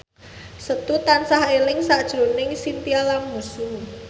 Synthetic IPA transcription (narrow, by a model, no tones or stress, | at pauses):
sət̪ut̪ansaɦelɪŋsaʔd̥ʒ̥ɾo̤nɪŋsint̪ialaŋmusuŋ